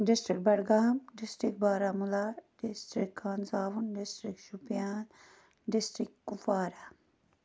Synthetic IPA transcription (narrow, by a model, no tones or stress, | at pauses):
ɖɪsʈɾik̚bɐɽɡaːmɖɪsʈɾikbaːɾaːmulaːɖɪsʈɾikʰːaːnzaːʋunɖɪsʈɾikʃupjaːn | ɖɪsʈɾɪkːufaːɾaː